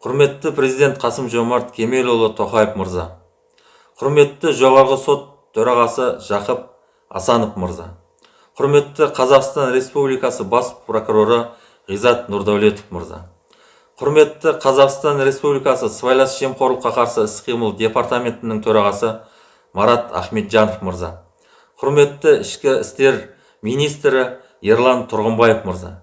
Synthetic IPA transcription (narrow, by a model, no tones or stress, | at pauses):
qʰʊɾme̞t̪ːɪpɾʲe̞zijd̪e̞nt̪̚qʰɑsəmʒo̞mɑɾt̪kʲʰe̞meɾolˠət̪ʰo̞χɑjəfməɾzɑ̰ | qʰʊɾme̞t̪ːɪʒo̞ʁɑɾʁəso̞t̪ʰːɵɾɑʁɑsəʒ̥ɑqəp̚ | ɑ̰sɑnəfməɾzɑ̰ | qʰʊɾme̞t̪ːɪqʰɑzɑqst̪ɑnɾe̞spublijkɑsəbɑspro̞kuɾo̞ɾə | ʁijzɑt̪nuɾd̪æwlˠe̞t̪ə̥fmə̰ɾzɑ̰ | qʰʊɾme̞t̪ːɪqʰɑzɑqst̪ɑnɾe̞spublijkɑsəsvajlˠɑsʒe̞mqʰo̞ɾlˠəqːɑqʰɑɾsəɪsqʰijməlˠd̪ʲe̞part̪amʲe̞nt̪ɪnɪŋt̪ʰɵɾɑʁɑsə | mɑɾɑt̪æ̰χme̞t̪ʒɑnofməɾzɑ̰ | qʰʊɾme̞t̪ːɪɪʃkʲɪɪst̪e̞ɾ | mijnijst̪ɾɪ | je̞ɾlˠɑnt̪ʰʊɾʁəmbɑjefməɾzɑ̰